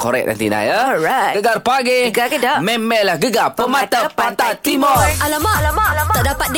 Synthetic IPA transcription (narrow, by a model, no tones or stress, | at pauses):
koɾɛk̚na̰nt̪ina̰jəɹaɡəɡarpaɡeɡakɛdamɛmɛlahɡəɡapəmat̪apat̪at̪imɔalamaɔʔdapat̪̚d